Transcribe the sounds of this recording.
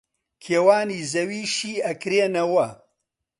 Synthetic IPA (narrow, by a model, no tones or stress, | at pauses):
kʰeːwaːniːzɐwiːʃiːɐkɾeːnɐwɐ